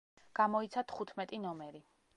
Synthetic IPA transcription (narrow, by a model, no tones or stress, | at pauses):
ɡ̥amɔit̪sʰat̪ʰχut̪ʰmɛt̪ʼinɔmɛɾi